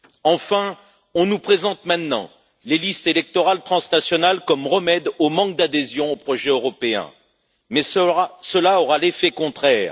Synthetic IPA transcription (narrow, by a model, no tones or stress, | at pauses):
ɑ̃fɛ̃ | ɔ̃nupχezɑ̃t̪mɛ̃t̪nɑ̰̃ | lelist̪elɛk̚t̪ɔʁalt̪χɑ̃snasjɔnalkɔmʁəmɛd̪omɑ̃k̚d̪ad̪ezjɔ̃opχɔʒɛøʁɔpeɛ̰̃ | mɛsəlaɔʁalefɛkɔ̃t̪χɛːʁ